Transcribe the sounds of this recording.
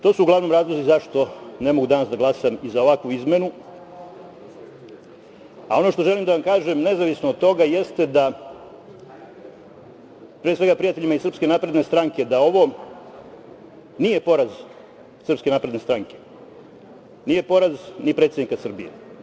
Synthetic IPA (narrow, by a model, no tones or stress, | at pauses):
t̪o̞ːsuuɡlˠaʋno̞mɾaːzlˠo̞zizaʃt̪o̞ne̞mo̞ɡud̪anasd̪aɡlˠasamizaoʋakʋuizme̞nu | ao̞no̞ʃt̪o̞ʒe̞limd̪aʋamkaːʒemne̞zaʋisnoːd̪̚t̪o̞ɡajest̪ed̪a | pɾiseɡapɾijat̪e̞ʎimaisr̩pske̞naːpɾe̞d̪nest̪ɾaŋke̞d̪ao̞ʋo̞ | nije̞po̞ɾaz | sr̩pske̞naːpɾe̞d̪nest̪ɾaŋke̞̥ | nije̞po̞ɾaznipɾet̪sed̪nikasr̩bijḛ